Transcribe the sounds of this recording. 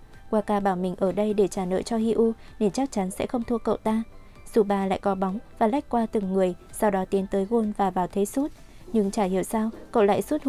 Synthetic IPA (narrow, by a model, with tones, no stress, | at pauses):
kwaː˧kaː˧ɓaː˧˩wmï˨˩ŋ̟ʔəː˧˩ɗə˧jɗe˧˩t͡ɕaː˧˩nə̰ː˧˨jt͡ɕɔ˧hi˧ʔu˧ne˧˩nt͡ɕa˦˥k̚t͡ɕa˨˦nsɛ̰˧˥xə˧wŋ͡mt̪ʰu˧əkə̰˧˨wt̪aː˧ | z̥u˧˩ɓaː˧la̰ː˧˨jkɔ˨˦ɓɔ˨˦wŋ͡mvaː˨˩la˦˥jk̟̚kwaː˧t̪ɨ˨˩ŋːɨ˨˩əjsa˧wɗɔ˨˦t̪i˨˦nt̪əː˨˦jɣo˧nvaː˨˩vaː˨˩wt̪ʰe˨˦su˦˥t̚ | ɲɨ˧ŋt͡ɕaː˧˩hḭ˧˨əwsaː˧wkə̰˧˨wla̰ː˧˨jsu˦˥t̚